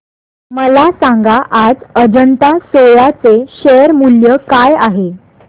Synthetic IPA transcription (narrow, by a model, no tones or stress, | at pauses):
məlasãŋɡaʔad͡zəd͡ʑəɳt̪asoɭat͡seɕejəɾmuljəkajaɦe